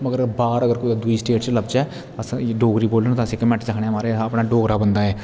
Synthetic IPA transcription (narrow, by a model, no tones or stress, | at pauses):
məɡəɾbaːɾəɡəɾkʊd̪ad̪ʊiːsʈeːʈt͡ʃləbt͡ʃɛː | əsɖoːɡɾiːboːlɖənt̪ãsĩːkmɛʈt͡ʃəkʰɳemaːɾeəpɳaːɖoːɡɾaːbənd̪aːɛː